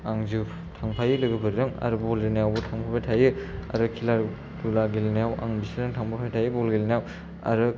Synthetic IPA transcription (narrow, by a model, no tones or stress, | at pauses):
aŋzu | tʰaŋpʰajɯlɯɡɯbɯɾiɾɯŋa̰ɾɯbɔlinejawbutʰaŋpʰapʰajtʰajɯa̰ɾɯkʰilaɾ | dulaɡilnejawa̰ŋbisiɾɯŋtʰaŋpʰapʰajtʰajɯbɔlɡilnejaw | a̰ɾɯ